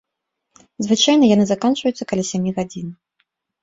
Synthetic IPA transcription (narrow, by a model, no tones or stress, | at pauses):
zvɨt͡ʂajnɐjanɨzakant͡ʂvəjut̪sːɐkalʲasʲamʲiɣad͡zʲin